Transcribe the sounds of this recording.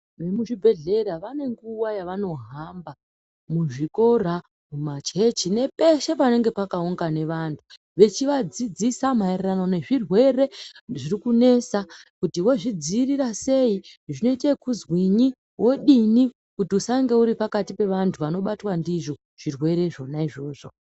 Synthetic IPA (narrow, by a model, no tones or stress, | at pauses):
ʋe̞muʐibʱe̞ɮe̞ɾaʋane̞ŋɡuwajaʋano̞ɦamba | muʐiko̞ra | mumat͡ʃe̞t͡ʃine̞pe̞ʃe̞pane̞ŋɡe̞pakauŋɡane̞ʋantʰu̥ | ʋe̞t͡ʃiʋad͡zid͡zisamaereranone̞ʐirwe̞re̞ʐirikune̞sakutiwo̞ʐid͡ziːriɾase̞iʐino̞ite̞kuzwiɲi | wo̞ɗini | kutiusaŋɡe̞uɾipakatipe̞ʋantʰuʋano̞ɓatwandiʐo̞ | ʐ̥irwe̞ɾe̞ʐo̞naiʐo̞ːʐo̞